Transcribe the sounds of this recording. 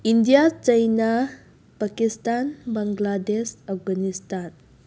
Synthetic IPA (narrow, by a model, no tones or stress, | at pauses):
indijat͡ʃəjna | pakistanbaŋɡladesap̚ɡanistan